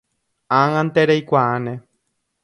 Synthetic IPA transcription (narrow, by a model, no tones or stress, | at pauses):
ãŋãnt̪eɾejkʷaãnẽ